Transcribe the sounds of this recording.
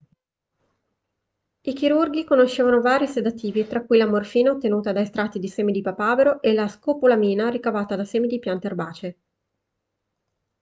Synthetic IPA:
ik̟iɾurɡikonoʃːeːvanovaːɾjised̪at̪ːiːvit̪ɾakːujlamorfiːnaot̪ːenuːt̪ad̪ajst̪ɾat̪ːid̪iseːmid̪ipapaːveɾoʔelaskoːpolamiːnaɾikavaːt̪ad̪aseːmid̪ipjant̪earbaːt͡ʃe

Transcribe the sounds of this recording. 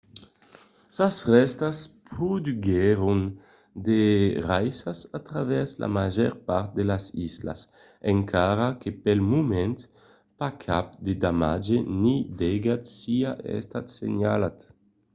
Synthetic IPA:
sasrɛst̪aspɾud̪yɡeɾun | d̪erajsasat̪ɾavɛɾsla̰maʒɛ̰ɾpaɾt̪̚d̪elasisla̰s | eŋkʰaɾakepɛlmumɛnt̪ | pakʰap̚d̪ed̪amad͡ʒenid̪ɛɡat̪siaʔɛ̰st̪at̪sḛɲalat̪

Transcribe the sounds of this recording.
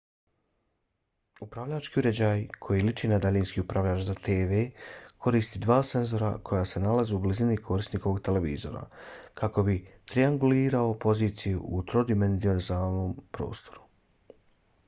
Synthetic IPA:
upɾaʋʎaːt͡ʃkiuɾe̞d͡ʑaːjkʰo̞jilit͡ʃinad̪aʎiːnskiːupɾaʋʎʲaːt͡ʃzat̪ʰe̞ːʋe̞ːkʰo̞ɾiːst̪id̪ʋaːse̞nzo̞ɾa̰kʰo̞jaːse̞nalazeublizinikʰo̞ɾisniko̞ʋo̞ɡt̪e̞le̞ʋḭːzo̞̰ɾa̰kʰako̞bit̪ɾiaŋɡuliːɾao̞po̞ziːt̪sijuut̪ɾo̞d̪ime̞nzionzaːlno̞ːmpɾo̞̰ːst̪o̞ɾu̥

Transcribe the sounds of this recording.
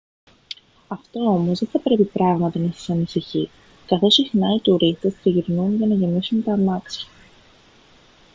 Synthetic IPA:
ɐft̪o̞o̞mo̞zðeθɐpɾe̞pipɾɐɣmɐt̪ɐnɐsɐ̥sɐnisiçi | kɐθo̞sixnɐit̪uɾist̪e̞stiʝiɾnunʝɐnɐʝe̞nisunt̪ɐmɐksɐ̥

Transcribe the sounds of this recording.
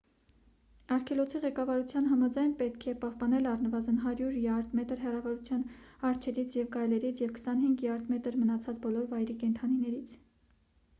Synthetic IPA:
ɑɾkʰɛlɔt͡sʰiʁɛkɑvɑɾut͡sʰjɑnɦɑmɑd͡zɑjnpɛt̪kʰɛpɑhpɑnɛlɑrnəvɑzənɦɑɾjuɾjɑɾd̪mɛt̪əɾɦɛrɑvɑɾut͡sʰjɑnhɑɾt͡ʃʰɛɾit͡sʰjɛvɡɑjlɛɾit͡sʰjɛvkə̥sɑnhiŋɡliɑɾd̪mɛt̪əɾmənɑt͡sʰɑt͡sbɔlɔɾvɑjɾikɛnt̪ʰɑninɛɾit͡sʰ

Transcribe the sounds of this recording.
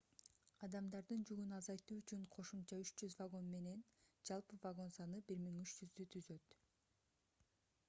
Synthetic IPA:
ɑd̪ɑmd̪ɑɾd̪ɯnd͡ʒyɡynɑzɑjt̪uːyt͡ʃyɴqʰo̞ʃumt͡ʃɑyt͡ʃd͡ʒyzvaɡo̞nme̞ne̞nd͡ʒɑlˠpɯvaɡo̞nsɑnɯbiɾmiŋyt͡ʃd͡ʒyzd̪yt̪ʰyzø̞t̪

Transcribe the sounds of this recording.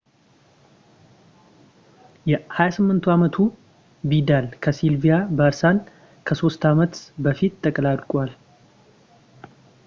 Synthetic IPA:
jɛhajasɨmːɨnt̪ʰuamət̪ʰu | bid̪alkʰəsilvijabəɾsan | kʰəso̞st̪ʰamət̪bəfit̪t̪ʼːəkʼlad̪kʼwal

